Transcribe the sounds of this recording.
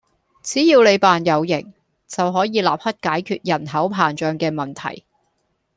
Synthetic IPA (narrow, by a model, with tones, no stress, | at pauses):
t͡siː˨˥jiː˧wle˨˧jpaː˨njɐ˨˧wjɪ˨˩ŋ | t͡sɐ˨wɦɔː˨˥jiː˨˧laː˨p̚hɐ˥t̚kaː˨˥jkʰyː˧t̚jɐ˨˩nɦɐ˨˥wpʰaː˨˩nt͡ʃœː˨ŋkɛː˧mɐ˨˩nt̪ʰɐ̰˨˩j